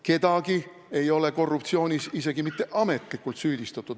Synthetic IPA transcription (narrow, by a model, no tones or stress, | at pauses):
ke̞d̪ɑɡi | e̞jo̞le̞ko̞rːupt̪sio̞ːnʲisise̞ɡimit̪ːe̞ʔɑme̞t̪ˑlikːˑult̪syːd̪ist̪ɑt̪ːˑud̪